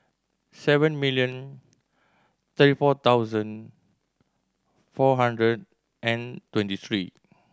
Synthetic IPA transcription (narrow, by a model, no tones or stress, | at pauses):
sɛvə̃nmiljə̃n | t̪ətifɔt̪awzə̃n | fɔɦãndɹəd̚ | ʔɛ̃ntwɛ̃ntit̪ɹi